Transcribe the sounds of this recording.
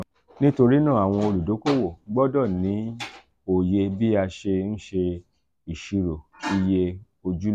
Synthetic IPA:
nĩ˦to˧ɾi˦nãː˦˨a˨w̃ɔ̃˧o˧lu˨do˨˦ko˦˨wo˨ɡ͡bɔ˦dɔ˦˨nĩ˨˦ | o˨je˧bi˦a˧ʃe˧n̩˦ʃe˧ | i˨ʃi˧ɾo˨ki˦je˧ | o˧d͡ʒu˦˨

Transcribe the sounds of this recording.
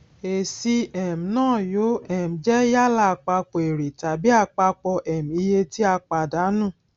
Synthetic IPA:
e˨si˧ɛ˨m̩˨nãː˦˨jo˨˦ɛ˦˨m̩̃˨d͡ʒɛ˦ja˦la˦˨k͡pa˧k͡pe˨ɾi˨ta˨bi˨˦a˦˨k͡pa˧k͡pɔ˧ʔɛ˨m̩˨i˧je˧ti˦a˧k͡pa˧˨da˨˦nũ˦˨

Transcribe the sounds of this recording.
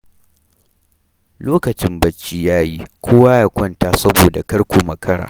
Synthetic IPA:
loː˦kɐ˨t͡ʃɪ˦mbɐ˦t͡ʃːi˦jaː˦ji˦kʷʰoː˦waː˦jaː˦kʷɐ˦nta˨sɐ˦boː˨da˨kɐ˦ɽkʷoː˨mɐ˨kʰɐ˦ɽa̰ː˨

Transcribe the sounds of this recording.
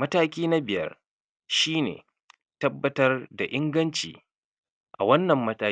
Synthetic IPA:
mɐ˦taː˦kʲiː˦na˦bɪ˨jɐ̰˦r | ʃiː˦nḛː˨ | tɐ˦bːɐ˦tɐ˦rda˨ʔɪ˦ŋɡɐ˦nt͡ʃḭː˨ | ʔa̰˨wɐ˦nːɐ˨mːɐ˦taː˦

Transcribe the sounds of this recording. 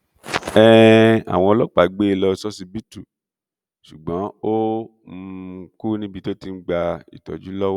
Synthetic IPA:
ɛ˦a̰˨w̃ɔ̃˧lɔ˦k͡pa˨ɡ͡be˦e˧˨lɔ˧sɔ˦si˧bi˦tu˦˨ | ʃu˨ɡ͡bã˨˦o˦˧˦ | ku˦nĩ˦bi˧to˦ti˧n̩˦ɡ͡ba˧ḭ˨tɔ̰˨d͡ʒu˨˦lɔ˦w

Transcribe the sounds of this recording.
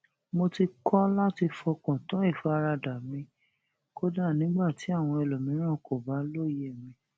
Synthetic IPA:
mo˧ti˧kʰɔ˦la˦ti˧fɔ˧kɔ̃˨tã˨˦i˦˨fɔ˨˦a˧ɾa˧da˨mĩ˧ | ko˦da˦˨nĩ˨˦ɡ͡ba˦˨ti˨˦a˦˨w̃ɔ̃˧ɛ˧lo˨mĩ˨˦ɾ̃ã˦˨ko˨ba˨˦lo˦˨je˦˨mĩ˧

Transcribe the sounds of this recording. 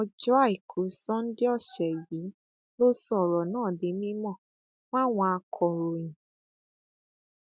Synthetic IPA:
ɔ˧d͡ʒɔ˦a˦˨i˨kʰu˨˦sɔ̃˦n̩˦di˦ɔ˦˨ʃɛ˨ji˨˦ | lo˦sɔ˦˨ɾɔ˨nãː˦˨de˨˦mĩ˦mɔ̃˦˨ | w̃ã˦˨w̃ɔ̃˧a˧kʰɔ˨ɾo˨ĩ˨

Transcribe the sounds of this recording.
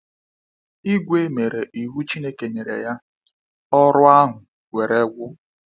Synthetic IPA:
i˦ɡʷe˦me˨ɾe˨ʔi˨ɦu˦t͡ʃi˦ne˦ke˨ɲe˨ɾḛ˨ja˦ | ɔ˦ɾʊ˦a˦ɦʊ˨ | ɡʷe˨ɾe˦ɡʷʊ˦

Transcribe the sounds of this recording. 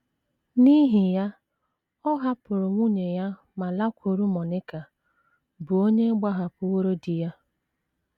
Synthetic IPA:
ni˦ɦi˨ja˦ | ɔ˦ɦa˦pʊ˨ɾʊ˨ŋʷu˦ɲe˨ja˦ | ma˨la˦kʷʰo˨ɾu˦mɔ˨nɪ˦ka˨ | bʊ˨o˦ɲe˦ɡ͡ba˦ɦa˨pʊ˦wo˦ɾo˦di˨ja˦

